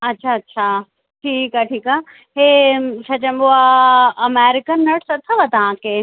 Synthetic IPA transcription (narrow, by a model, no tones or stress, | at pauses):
ɐtːʃʰaɐtːɕʰa | ʈʰiːkaʈʰiːka | ɦet͡ʃʰɐt͡ɕɐ̃mboaɐmeːɾɪkənːɐʈsɐt̪ʰːaʋɐt̪ɐʋãke